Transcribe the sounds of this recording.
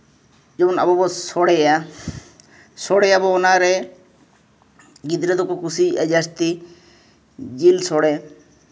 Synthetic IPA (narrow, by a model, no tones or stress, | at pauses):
d͡ʒɔbɔna̰bɔbɔsɔɽɛɛja | sɔɽɛjabɔɔnaɾɛ | ɡid̪ɾɛd̪ɔkɔkusiʔad͡ʒast̪i | d͡ʒilsɔɽɛ